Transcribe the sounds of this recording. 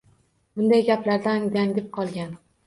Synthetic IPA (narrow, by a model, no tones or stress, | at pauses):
b̥ʊnd̪ajɡʲaplaɾd̪and̪ʲaŋd̪ʲɪp̚qʰɒlˠɡʲan